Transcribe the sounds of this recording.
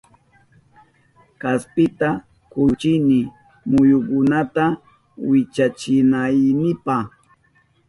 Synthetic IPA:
kaspɪt̪a | kʊt͡ʃɪnɪ | mʊjʊkʊnat̪a | wɪt͡ʃat͡ʃɪnajnɪpaχ

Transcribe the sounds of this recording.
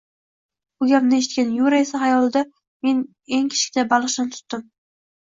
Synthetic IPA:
ʊɡʲanɪeʃɪt̪̚kʲanjuɾae̞saɦajɒlˠd̪a | me̞n | e̞ŋkʲʰe̥ʃkʲɪd̪abalˠɨqʃɪnɪt̪ʰʊ̥t̪ːɪm

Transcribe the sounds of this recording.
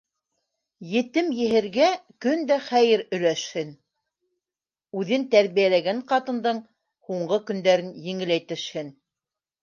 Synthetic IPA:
jɘ̆t̪ɘmjɘ̆ɦɘ̆ɾɡækɵnd̪æχæjɘɾɵ̆læʃhɘn | ʉðɘnt̪æɾβijælæɡæɴqɑt̪ɤ̆nd̪ɤɴ | huɴɢɤkɵ̆nd̪æɾɘnjɘ̆ŋɘ̆læjt̪ɘ̆ʃhɘn

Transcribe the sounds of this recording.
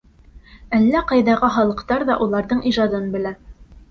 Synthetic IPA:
ælːæqɑjðɑʁɑχɑlˠɤ̆qt̪ɑɾðɑʔulˠɑɾðɤɴʔiʒɑd̪ɤnbɘ̆læ

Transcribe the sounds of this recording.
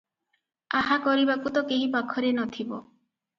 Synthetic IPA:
ahakɔɾibakut̪ɔkeɦipakʰɔɾenɔt̪ʰibɔ̰

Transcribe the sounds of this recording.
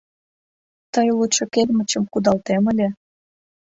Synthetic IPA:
t̪əjluʃɤkelmə̆t͡ɕə̆mkud̪ɑlt̪eməlʲe

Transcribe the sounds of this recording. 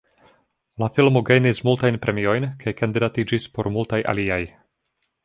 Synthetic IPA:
lafilmoɡejnismultajnpɾʔe̞mio̞jnkʰajkand̪idatid͡ʒispo̞ɾmultajʔa̰liaj

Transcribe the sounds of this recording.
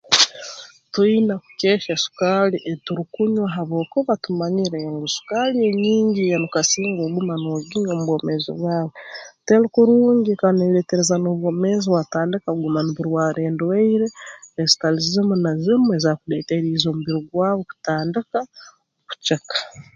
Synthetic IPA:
twiːnaku̥ceːʃasu̥kaliʔetuɾikuɲwaɦaβoːkuβatumaɲiɾeŋɡusu̥kalieɲiːɲɟijanukasiːŋɡoɡumanoɡiɲomuβwomezḭβwaːwetelukuɾuːɲɡikaneleteɾezanoβwomeziβwataːndikaɡumaniβuɾwaːɾeːndweiɾeezi̥talizimunazimuezakudeːteɾiːzomuβiɾoɡwaːβoku̥taːndika | oku̥t͡ʃekḁ

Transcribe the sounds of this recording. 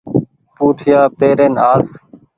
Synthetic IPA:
puːʈʰɪjaːpeːɾeːnaːs

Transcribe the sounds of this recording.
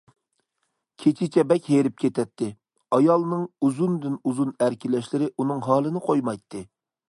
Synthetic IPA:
kʲʰet͡ʃʰɪt͡ʃʰɛbɛkʲɦeɾɪp̚kʲʰet̪ʰɛt̪ʰːɪ | ɑjɑlˠnɨŋuzund̪ɪnuzunæɾkʲɪlɛʃlɪɾɪʔunɨŋɦɑːlˠɨnɨqʰojmɑjt̪ʰːɨ

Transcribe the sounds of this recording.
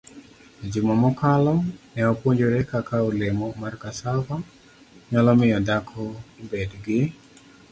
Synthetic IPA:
d͡ʒumɔmɔkalɔmnɛɔpoɲd͡ʒoɾɛkakaulemɔmarkasava | ɲalɔmɪjɔdakʰɔbedɡɪ

